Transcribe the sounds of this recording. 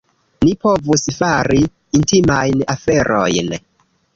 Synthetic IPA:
nipo̞vusfaɾiː | ntimajnafe̞ɾʔo̞̰jn

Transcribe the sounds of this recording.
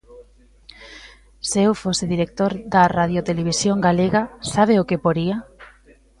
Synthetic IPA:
sewfoseðiɾek̚t̪oɾd̪arað̞jot̪eleβ̞isjoŋɡaleɣasaβ̞eʊkepoɾia

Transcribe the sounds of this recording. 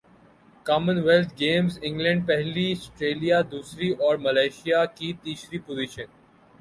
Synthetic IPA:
kaːmə̃nʋɛlt̪̚ʰɡẽːmzɪ̃ŋɡlɛ̃ɳɖ̚pɛɦliɐsʈɾeːlijad̪uːsɾiʔɔːɾmɐlaːʃijakit̪iːsɾipoziʃən

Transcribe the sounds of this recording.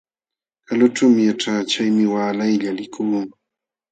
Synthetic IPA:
kalʊʈ͡ʂawmɪjaʈ͡ʂaːt͡ʃajmɪwaːlajʎalɪkʰʊlʊŋ

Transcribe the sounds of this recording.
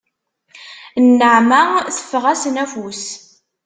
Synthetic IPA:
nːəʕmæθə̥fːəʁæsnæfus

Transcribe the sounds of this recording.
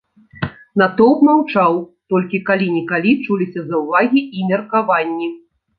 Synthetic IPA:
nat̪ɔwpmawt͡ʂawt̪ɔlʲkʲikalʲinʲɛkalʲit͡ʂulʲisʲɐzɐwvaɣʲiimʲɛrkavanʲːi

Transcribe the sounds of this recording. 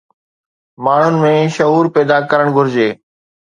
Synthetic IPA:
maːɳ̤ʊnɪ̆mẽːʃɐɦuːɾpɛːd̪akɐɾəɽ̃ɡʱʊɾɪd͡ʑeː

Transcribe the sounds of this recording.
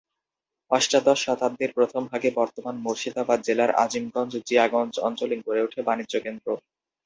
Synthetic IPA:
ɔʃʈad̪ɔʃat̪ab̚d̪eɾpɾot̪ʰombʱaɡebɔɾt̪omanmoɾʃid̪abad̪̚d͡ʑelaɾa̰d͡ʑimɡɔnd͡ʑd͡ʑiaɡɔnd͡ʑɔnt͡ɕoliŋkoɾeuʈʰebanidʑokend̪ɾo

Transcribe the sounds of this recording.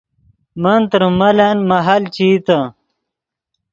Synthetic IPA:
mɐnt̪ɾmɐlanmɐɦalt͡ɕit̪ə

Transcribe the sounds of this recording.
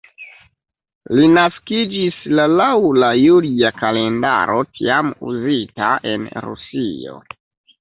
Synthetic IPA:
linaskid͡ʒislalawlajuliakale̞nda̰ɾo̞tiamṵzitaʔe̞̰nɾṵsio̰

